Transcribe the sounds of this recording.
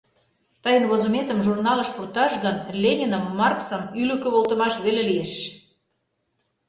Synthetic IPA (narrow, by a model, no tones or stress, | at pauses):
t̪əjənβozomet̪əmʒurnɑlə̆ʃpurt̪ɑʃɣənlʲenʲinəmːɑrksəmyløkø̆βolt̪ə̆mɑʃβelelijeʃ